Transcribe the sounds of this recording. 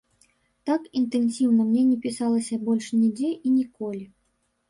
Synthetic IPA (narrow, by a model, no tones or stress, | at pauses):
t̪akint̪ɛnsʲiwnɐmnʲɛnʲɛpʲisalˠɐsʲɐbɔlʲʂnʲɛd͡zʲɛʔinʲikɔlʲi